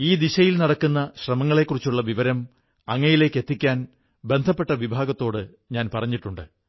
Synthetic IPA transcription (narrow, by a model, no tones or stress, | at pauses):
iːd̪iɕɐjilnɐɽɐkːunːɐɕrɐmɐŋːɐɭekːurit͡ɕːuɭːɐʋiʋɐɾɐm | ɐŋːɐjile̞ːkːe̞t̪ːikʲːaːn | be̞nd̪ʱɐpːe̞ʈːɐʋibʱaːɡɐt̪ːo̞ːɽɨ | ɲaːnpɐrɐɲːiʈːuɳɖɨ